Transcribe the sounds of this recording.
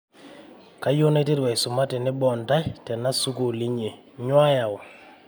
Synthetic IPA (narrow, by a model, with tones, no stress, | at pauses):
ka˦jo˦ne˦te˦twɛ˨jsʊ˨ma˦te˨nɪ˦bɔ˨nta˦jtɛ˨na˦su˦ku˨li˦ɲe˨ | ɲwa˦ja˨ɔ˨